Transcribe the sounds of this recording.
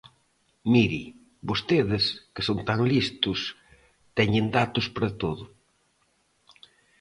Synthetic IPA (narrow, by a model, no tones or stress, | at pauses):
miɾi | bost̪eðɪskɪsont̪aŋlist̪ʊs | t̪ɛɲɪnd̪at̪ʊspɾɐt̪oðʊ